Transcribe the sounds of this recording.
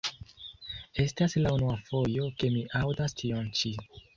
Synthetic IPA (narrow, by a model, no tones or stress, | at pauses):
e̞staslaunuafo̞jo̞ke̞miʔawdastʰiont͡ʃi